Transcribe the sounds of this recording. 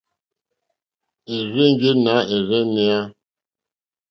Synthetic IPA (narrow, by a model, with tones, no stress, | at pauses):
e˨ɣe˦ŋ˦ɡe˦na˨˦e˨ɣɛ˦ne˦a˦